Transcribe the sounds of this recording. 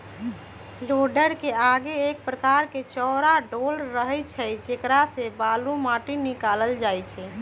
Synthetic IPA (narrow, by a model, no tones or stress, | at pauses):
loɖəɾkeaɡeːk̚pɾəkaɾket͡ʃɔːɾaɖolɾːəɦɛt͡ʃʰɛd͡ʒekɾasebalumaʈinikaləld͡ʒajt͡ʃʰɛ